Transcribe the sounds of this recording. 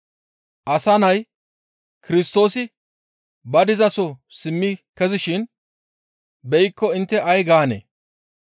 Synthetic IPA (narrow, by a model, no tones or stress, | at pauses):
ʔɐsɐnɐj | kɪɾɪst̪o̞ːsɪ | bɐd̪ɪzɐsɔsɪmːɪkɛzɪʃɪn | bɛjɪkːɔɪnt̪ːɛʔɐjɡaːnḛː